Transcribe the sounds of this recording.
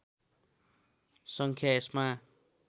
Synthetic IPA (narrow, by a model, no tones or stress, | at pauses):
sʌŋkʰjaesma